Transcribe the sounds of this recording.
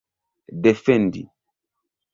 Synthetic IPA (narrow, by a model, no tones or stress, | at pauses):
dɛfɛndḭ